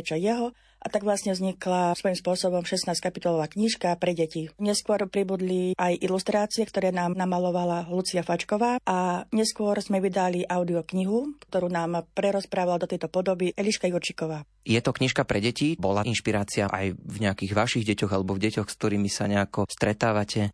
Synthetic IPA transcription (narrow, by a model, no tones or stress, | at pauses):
t͡ʃɔjɛɦɔ | ʔat̪aɡʋlasɲɛvzɲiklasʋɔjimspʊɔsɔbɔmʃɛsnaːsckapit̪ɔlɔʋaːkɲiʃkapɾɛɟɛciɲɛskʊɔɾpɾibud̪liʔajʔilust̪ɾaːt͡siɛkt̪ɔɾɛːnaːmnamalɔʋalalut͡siafat͡ʃkɔʋaːʔaɲɛskʊɔɾzmɛʋid̪aliʔaʊd̪iɔkɲiɦukt̪ɔɾuːnaːmpɾɛɾɔspɾaːʋalad̪ɔt̪ɛjt̪ɔpɔd̪ɔbiʔɛliʃkajuɾt͡ʃikɔʋaː | jɛt̪ɔkɲiʃkapɾɛɟɛcibɔlaʔinʃpiɾaːt͡siaʔa̰jvɲɛakiːɣʋaʃiɣɟɛcɔɣalɛbɔvɟɛcɔxsk̚t̪ɔɾiːmisa̰ɲɛakɔst̪ɾɛt̪aːʋacʰɛ